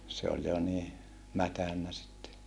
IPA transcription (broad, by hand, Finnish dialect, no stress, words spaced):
se olʲ jo niː mætænːæ sitːe